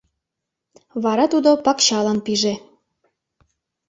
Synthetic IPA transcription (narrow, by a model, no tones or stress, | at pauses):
βɑɾɑt̪ud̪opɑkɕɑlɑnpiʒe